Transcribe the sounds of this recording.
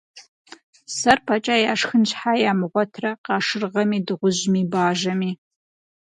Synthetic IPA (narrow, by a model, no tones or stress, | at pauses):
sɐrpʰat͡ʃʼaːjaːʂxɨnt͡ʃħaːjaːmɨʁʷɔtʰrɐqɑːʂɨrʁɐmiːdɨʁʷʊʑmiːbaːʒɐmiː